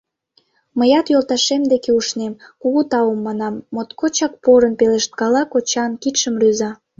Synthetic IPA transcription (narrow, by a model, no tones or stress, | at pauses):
məjɑt̪jolˠt̪ɑʃemd̪ekeuʃnemkuɣut̪ɑumːɑnɑmːot̪kot͡ɕɑk̚poɾənpeleʃt̪̚kɑlɑkot͡ɕɑnkit̪ʃəmryzɑ